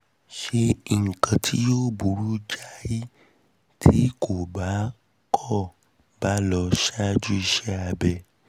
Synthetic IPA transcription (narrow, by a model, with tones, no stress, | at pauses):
ʃe˧ŋ̩˨kã˨tʰi˦jo˦bu˨ɾu˦d͡ʒa˦ji˦ | tʰi˦kʰo˨ba˨˦ | kʰɔ˦˨ | ba˨˦lɔ˧ʃa˦d͡ʒu˦i˧ʃɛ˦a˧bɛ˧˨